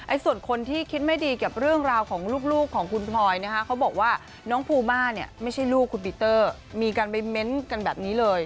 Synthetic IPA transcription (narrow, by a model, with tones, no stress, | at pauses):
ʔa˧jsu˨˩ənkʰo˧nt̪ʰiː˥˩kʰi˦˥t̪̚ma˥˩jdiː˧ka˨˩p̚ɾɯ˥˩əŋɾaː˧wkʰɔː˩˦ŋluː˥˩k̚luː˥˩kʰːɔː˩˦ŋkʰu˧npʰlɔː˧jna˦˥kʰa˦˥kʰa˦˥wbɔː˨˩k̚waː˥˩ | nɔː˦˥ŋpʰuː˧maː˥˩ni˦˥˩əma˥˩jt͡ɕʰa˥˩jluː˥˩kʰːu˧npi˧˩t̪ɤː˥˩ | miː˧kaː˧npa˧jme˦˥nka˧nbɛː˨˩p̚niː˦˥lɤː˧j